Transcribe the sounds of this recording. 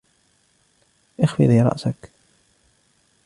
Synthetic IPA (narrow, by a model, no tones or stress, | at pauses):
ʔɪxfɪ̰ðiːɾˤɑ̰ʔsak